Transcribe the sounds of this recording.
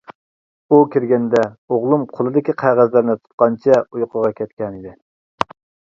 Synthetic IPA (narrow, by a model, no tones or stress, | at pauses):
ukʲiɾɡʲɛnd̪ɛoʁlˠumqʰolˠɨd̪ɪkʲiqʰæʁæzlɪɾnɪt̪ʰu̥t̪̚qɑnt͡ʃʰɛujqʰəʁɑkʲʰɛt̪̚kʲɛnid̪ɪ